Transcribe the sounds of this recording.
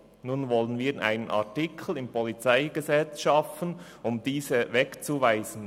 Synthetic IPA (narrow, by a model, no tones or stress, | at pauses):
nuːnvɔlənviːʔa̰ɪnənʔa̰ɐtɪkʰl̩ɪmpɔlit͡saɪɡ̥əzɛt͡sʃɑfən | ʊmd̥iːzəvɛkt͡suvaɪzən̩